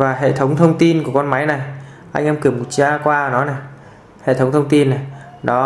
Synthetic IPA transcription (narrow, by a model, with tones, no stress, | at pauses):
vaː˨˩ɦḛ˧˨t̪ʰə˨˦wŋ͡mt̪ʰə˧wŋ͡mt̪i˧nku˧˩əkɔ˧nma˨˦jna˨˩j | ʔa˧jŋ̟ʔɛ˧mkɨ˧˩əmo˨˩t̚t͡ɕaː˧kwaː˧nɔ˨˦na˨˩j | hḛ˧˨t̪ʰə˨˦wŋ͡mt̪ʰə˧wŋ͡mt̪i˧nːa˨˩j | ɗɔ˨˦